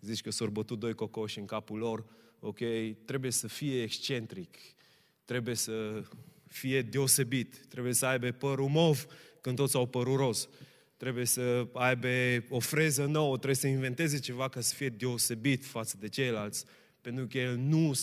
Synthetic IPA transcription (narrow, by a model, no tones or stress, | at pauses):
zit͡ʃʲkəsorbət̪ut̪̚d̪o̞jkokoʃiɨŋkapulo̞rokejt̪ɾe̞buje̞səfijeːkst͡ʃe̞nt̪ɾik | t̪ɾe̞bujesə | fije̞d̪e̞ose̞bit̪ːɾe̞bujesəajbe̞pəɾumovkɨnt̪ot̪sʲawpəɾuɾo̞s | t̪ɾe̞buje̞səajbeofɾe̞zənowət̪ɾeujesəinve̞nt̪e̞ze̞t͡ʃe̞vakasə̥fije̞d̪e̞ose̞bit̪fat̪səd̪et͡ʃejlalt̪sʲ | pe̞nt̪ɾukenu